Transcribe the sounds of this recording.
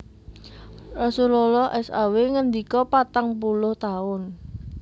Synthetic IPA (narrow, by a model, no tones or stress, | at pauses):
rasulɔlɔhʔɛsa̰weŋənd̪ikɔpat̪aŋp̬ulʊht̪aʊn